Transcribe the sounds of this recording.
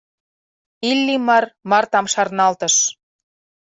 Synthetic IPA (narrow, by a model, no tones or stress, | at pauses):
ilʲːimɑrmɑrt̪ɑmʃɑrnɑlt̪ə̆ʃ